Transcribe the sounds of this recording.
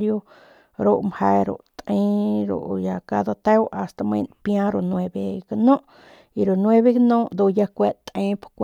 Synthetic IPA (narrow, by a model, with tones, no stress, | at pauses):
ɾjo˧ | ɾo˧˨ʔmhe˧ɾo̰˨ʔt̪ẽ˦ɾo̰˨ʔja˧ka˧d̪o˧t̪e˦wa˨st̪a˧mḛ̃˧npjã˦ɾo˧nwe˧be˧ɡa˧nõ˦ʔ | i˨ɾo˨nwe˦βe˧ɡnõ˦ʔd̪u˧ja˧kʷe˦t̪ẽ˦pkʷ